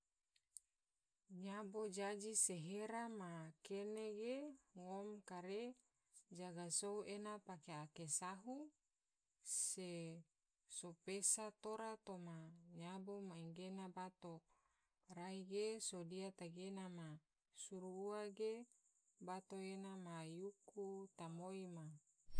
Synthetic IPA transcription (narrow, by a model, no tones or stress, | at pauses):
ɲabod͡ʒad͡ʒiseɦeɾamakeneɡeŋomkaɾe | d͡ʒaɡasouenapakeakesaɦu | se | sopesat̪oɾat̪omaɲabomaiŋɡenabat̪o | raiɡesodiat̪aɡenama | suɾuuaɡe | bat̪oenamajukut̪amoima